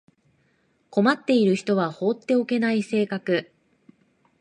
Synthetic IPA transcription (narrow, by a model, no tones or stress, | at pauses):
ko̞mat̪ːe̞iɾɯ̟çi̥t̪o̞βaho̞ːt̪ːe̞o̞ke̞naise̞ːkakɯ̟